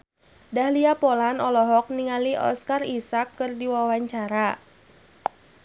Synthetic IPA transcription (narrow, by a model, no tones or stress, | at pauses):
dahliapɔlanɔlɔɦɔk̚niŋaliʔɔ̰skarisakːɨrdiwawaɲt͡ʃaɾa